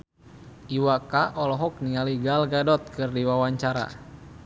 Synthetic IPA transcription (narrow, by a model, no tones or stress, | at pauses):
ʔiwakaʔɔlɔɦɔk̚niŋaliɡalɡadɔt̪̚kɨrdiwawaɲt͡ʃaɾa̰